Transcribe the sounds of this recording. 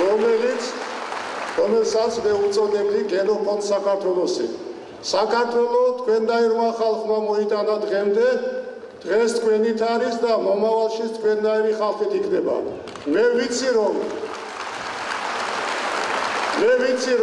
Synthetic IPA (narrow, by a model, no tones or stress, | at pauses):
ɔmɛlit̪sʰ | ɾɔmɛlsat̪sʰmɛut̪sʼɔd̪ɛbd̪iɡɛnɔpʰɔnsakʰaɾt̪ʰwɛlˠɔsḭ | sakʰaɾt̪ʰwɛlɔt̪ʰkʰwɛnd̪aiɾmaχalˠχmamɔit̪ʼanad̪ʁɛmd̪ɛ | d̪̥ʁɛst̪ʰkʰwɛnit̪ʰaɾisd̪amɔmavalˠʃit̪ʰkʰwɛnːaiɾiχalˠχit̪ʰikʰnɛba̰ | mɛvit̪sʰiɾɔm | mɛvit̪sʰiɾ